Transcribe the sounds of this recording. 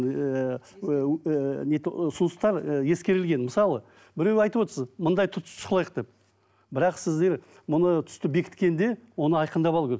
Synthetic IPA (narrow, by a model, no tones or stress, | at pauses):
net̪sʊnəst̪ɑɾje̞skʲe̞ɾɪlɡʲe̞nməsɑlˠə | bɪɾe̞wɑjt̪əpwo̞t̪əɾsəzmʊnd̪ɑjt̪ʰʊt̪ʰʃʊ̥qlˠɑjəq̚d̪e̞p̚ | bɪɾɑqsɪzd̪e̞ɾ | mʊnət̪ʰʏ̥st̪ɪbe̞kʲɪ̥t̪kʲe̞nd̪e̞wo̞nəɑjqənd̪ɑpɑlˠkʲeɾ